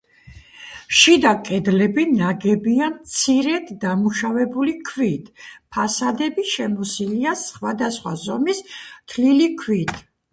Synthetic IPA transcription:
ʃid̪akʼɛd̪lɛbinaɡɛbiant̪sʰiɾɛd̪d̪amuʃavɛbulikʰvit̪ʰpʰasad̪ɛbiʃɛmɔsiliasχwad̪asχwa̰zɔmist̪ʰlilikʰwit̪ʰ

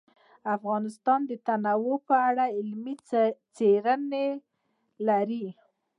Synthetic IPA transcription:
afɣɑnɪst̪ɑnd̪ət̪anawopəaɽaɪlmit͡seɾəne | laɾi

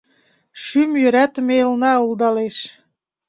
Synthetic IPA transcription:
ʃymjøɾæt̪melnɑulˠd̪ɑleʃ

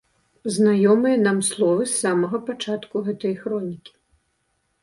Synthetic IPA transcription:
znajɔmɨjɐnamslˠɔvɨsːamɐɣɐpat͡ʂat̪kuɣɛt̪ɐjxɾɔnʲikʲi̥

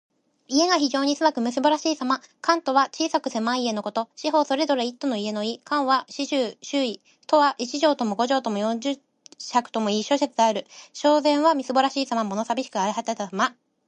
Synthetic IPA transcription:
ie̞ŋaçiʑo̞ːɲ̟isɨbakɯ̟mɯ̟sɨbo̞ɾaɕiːsamakãnt̪o̞βat͡ɕiːsakɯ̟se̞mãie̞no̞ko̞t̪o̞ɕiɦo̞ːso̞ɾe̞d̪o̞ɾeit̪ːo̞no̞ie̞no̞ikãɰ̃βaɕiɕɨːɕɨːi̥ | t̪o̞βaʔit͡ɕiʑo̞ːt̪o̞mo̞ɡo̞ʑo̞ːt̪o̞mo̞jõ̞ɲd͡ʑɨ | çakɯ̟̥t̪o̞mo̞iɕoɕet͡sɨd̪aɾɯ̟ɕo̞ːzẽ̞ɰ̃βamʲisɨbo̞ɾaɕiːsamamo̞no̞sabʲiɕi̥kɯaiɦat̪at̪ama

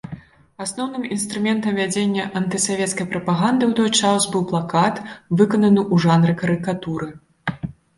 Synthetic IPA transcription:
asnɔwnɨminst̪ɾumʲɛnt̪ɐmvʲad͡zʲenʲːɐʔɐnt̪ɨsavʲɛt̪skɐjpɾɐpaɣand̪ɨwt̪ɔjt͡ʂasbɨwplˠakat̪vɨkɐnɐnɨʔuʐanɾɨkɐɾɨkat̪uɾɨ

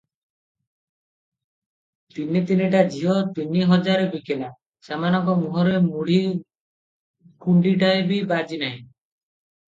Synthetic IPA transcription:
t̪init̪iniʈ̬ad͡ʒʱiɦɔt̪iniɦɔd͡ʒaɾebikena | samanɔŋkɔmuɦɔɾemuɽ̤i | kuɳɖiʈaebibad͡ʒinaɦĩ

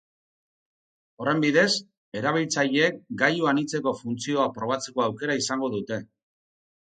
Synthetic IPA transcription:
o̞re̞mbiðe̞s | e̞ɾaβ̞ilt͡saʎeːk̚ɡajuanit͡se̞ko̞funt͡sio̞apɾo̞β̞at͡se̞ko̞awke̞ɾaisaŋɡo̞ðut̪e̞

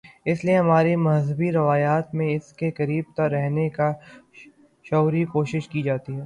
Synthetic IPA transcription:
ɪslieɦɐmaːɾimɐɦzəbiɾɐʋaːjaːt̪mẽɪskekɐɾiːb̚t̪ɐɾɛɦneka | ʃɔːɾikoːʃɪʃkid͡ʒaːt̪iɦɛː

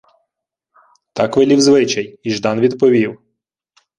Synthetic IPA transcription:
t̪ɑkʋɪlʲiwzʋɪt͡ʃɐjiʒd̪ɑnʋʲid̪pɔʋʲiw

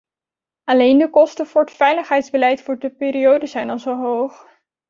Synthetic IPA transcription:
ɑlejndəkɔstənvʊːɹətfɛjləχɦɛjtzbəlɛjtfʊːɹdəpɪːɾiowdəzɛjnɑlˠzowɦowχ

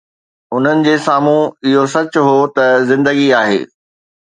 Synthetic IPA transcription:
ʊn̤ənɪ̆d͡ʑeːsaːm̤ũɪɦosɐt͡ɕʊɦoːt̪ɐzɪ̃nd̪əɡiaːɦḛː

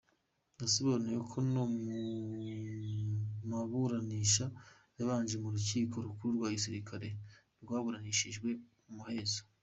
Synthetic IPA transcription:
nasiβoɾnejokʰo̞nomu | maβuɾaniːʃa | jaβaːɲʒemuɾuciːkʰo̞ɾukuɾuɾɡwaːɡisiɾikʰaɾe̞ | ɾɡwaːβuɾaniːʃiʒɡwe̞ | umuhe̞ːzo

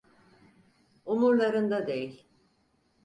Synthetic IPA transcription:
unuɾlˠaɾɯnd̪ad̪ejilʲ

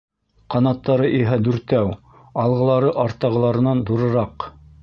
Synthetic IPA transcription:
qɑnɑt̪ːɑɾɤʔiɦæd̪ʉɾt̪æw | ɑlˠʁɤ̆lˠɑɾɤʔɑɾt̪ɑʁɤ̆lˠɑɾɤ̆nɑnd̪uɾɤ̆ɾɑq

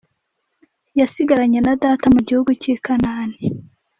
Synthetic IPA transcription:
jasiɡaɾaɲenadaːtamuɟihuɡucikanaːni

